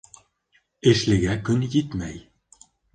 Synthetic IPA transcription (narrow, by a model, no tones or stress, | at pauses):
ɘ̆ʃlɘ̆ɡækɵnjit̪mæj